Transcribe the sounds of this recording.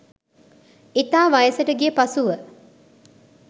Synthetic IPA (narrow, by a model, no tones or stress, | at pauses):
it̪aːʋajəsəʈəɡipasuʋə